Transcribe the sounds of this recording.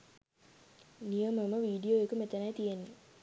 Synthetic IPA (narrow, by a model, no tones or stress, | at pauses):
nijəməməʋiːɖijoːekumet̪enajt̪ijenːi